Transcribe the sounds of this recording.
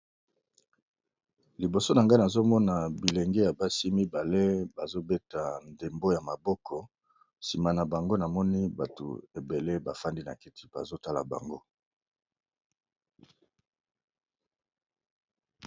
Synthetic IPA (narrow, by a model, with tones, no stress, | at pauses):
li˨bo˨so˦na˨ŋɡa˦na˨zo˦mɔ˦na˨bi˨le˨ŋɡe˦ja˨ba˦si˦mi˦ba˨le˦ba˨zo˦be˦ta˨nde˨mbo˦ja˨ma˨bɔ˦kʰɔ˨ | si˨ma˨na˨ba˨ŋɡo˦na˨mɔ˦ni˦ba˨to̰˨e˨be˨le˦ba˨fa˦ndi˦na̰˨ki˦ti̥˦b̥a̰˨zo˦ta˦la̰˨ba̰˨ŋɡo˦